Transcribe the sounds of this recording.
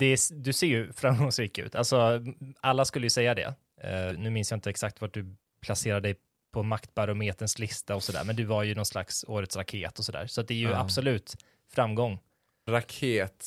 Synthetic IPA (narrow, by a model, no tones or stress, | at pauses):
d̪̥ɛd̪ɵseːɾjɵfɾamɡɔŋsɾiːkʉ̟̰ːt̪ʰalsɔʔalːaskɵlːəjɵsɛjːad̪ɛ̰ | nʉ̟ːmɪnsjaɪnt̪əɛksakt̪vaʈ̚ɖ̪ɵ | pʰlaseːɾad̪ɛj | pʰɔmakt̪baɾʊmeːt̪ənslɪst̪aɔsɔd̪æ̰ɾmɛnd̪ɵvaɾjɵnɔnsla̰ksoːɾət̪sɾakʰeːt̪ɔsɔd̪æ̰ːɾsɔat̪̚d̪ɛæɾjɵabsɔlʉ̟ːt̪ | fɾamːɡɔŋː | ɾakʰeːt̪